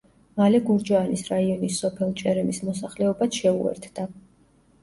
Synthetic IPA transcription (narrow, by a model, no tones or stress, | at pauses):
malɛɡuɾd͡ʒaanisɾaiɔnisːɔpʰɛlˠt͡ʃʼɛɾɛmismɔsaχlɛɔbat̪ʃɛṵɛ̰ɾt̪ʰd̪̥a